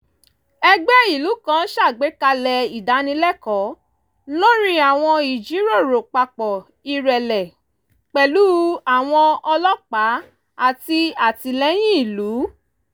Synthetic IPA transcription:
ɛ˧ɡ͡bɛ˦i˦˨lu˨˦kã˦ʃa˦˨ɡ͡be˨˦ka˧lɛ˧i˨da˨˦nĩ˧˦lɛ˦kɔ˨˦ | lo˦ɾi˦a˨w̃ɔ̃˧i˨d͡ʒi˨˦ɾo˦˨ɾo˨k͡pa˧k͡pɔ˨ | i˦˧ɾɛ˨lɛ˨ | k͡pɛ˨lu˦a˨w̃ɔ̃˧ɔ˧lɔ˦k͡pa˨˦ | a˦˨ti˧a˨ti˧lɛ˦j̃ĩ˦i˦˨lu˨˦

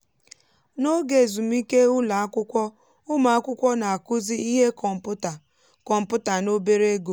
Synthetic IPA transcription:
no˦ɡe˨zu˨m̩˦i˦ke˦ʊ˦la˨a˦kʷʊ˦kʷɔ˦ | ʊ˦ma˨a˦kʷʊ˦kʷɔ˦na˨a˨kʊ˦zi˦i˦ɦe˦kɔ˨m̩˨pʊ˦ta˨ | kɔ˨m̩˨pʊ˦ta˨no˦be˦ɾe˦ɡo˨

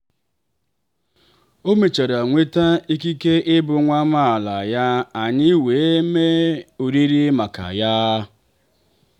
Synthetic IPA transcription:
o˦me˨t͡ʃa˨ɾa˨ŋʷe˦ta˦i˦ki˦ke˦ʔɪ˦bʊ˨ŋʷa˦ma˦a˨la˨ja˦a˨ɲɪ˦we˨˦me˦o˨ɾi˦ɾi˦ma˨ka̰˨ja˦

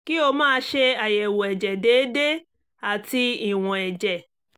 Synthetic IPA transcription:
ki˦o˧mãː˦˧˦ʃe˧a˨jɛ˨wo˨ɛ˨d͡ʒɛ˨deː˨˦de˦ | a˨ti˧i˦˨w̃ɔ̃˨ɛ˨d͡ʒɛ˨

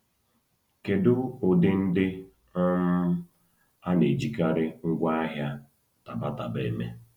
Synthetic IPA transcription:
ke˨dʊ˦ʊ˨dɪ˦n̩˦dɪ˦ | ɔ˦m̩˦ | a˦ne˨d͡ʒi˨ka˦ɾɪ˦ŋ̩˦ɡʷa˦a˦ɦja˦ | ta˨ba˦ta˨be˨e˦me˦

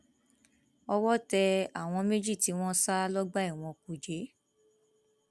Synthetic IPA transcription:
ɔ˧wɔ˦tɛ˧a˦˨w̃ɔ̃˧me˦d͡ʒi˦˨ti˨˦w̃ɔ̃˦sa˦lɔ˦ɡ͡ba˦i˦˨w̃ɔ̃˧ku˨d͡ʒe˨˦

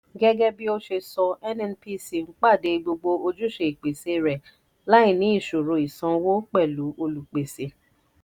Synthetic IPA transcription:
ɡɛ˦ɡɛ˦bi˦o˦ʃe˧sɔ˧ɛ˦nɛ˧n˦pi˦si˨ŋ͡m̩˦k͡pa˦˨de˨˧ɡ͡bo˧ɡ͡bo˧o˧d͡ʒu˦ʃe˧i˨k͡pe˨se˧ɾɛ˨ | la˦ĩ˦˨nĩ˨˦i˦˨ʃo˨ɾo˨i˨sã˧wo˦k͡pɛ˦˨lu˨˦ʔo˧lu˨k͡pe˨se˨

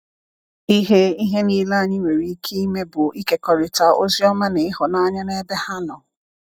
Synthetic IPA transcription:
i˦ɦe˦i˦ɦe˦niː˦la˦a˨ɲɪ˦ŋʷe˨ɾi˨˦kʰi˦i˦me˦bʊ˨i˦ke˦kɔ˨ɾɪ˨ta˨o̰˦zi˦ɔ˦ma˦ne˨ɪ˦ɦʊ˨na˦ɲa˦ne˦be˦ha˦nɔ˨

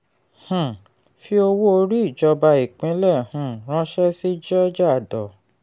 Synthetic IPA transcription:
hũ˨ | fi˦o˧wo˦o˧ɾi˦i˦˨d͡ʒɔ˧ba˧i˨k͡pĩ˨˦lɛ˦˨hũ˨ɾ̃ã˧˦ʃɛ˦si˦d͡ʒɔ˦d͡ʒa˦˨dɔ˨

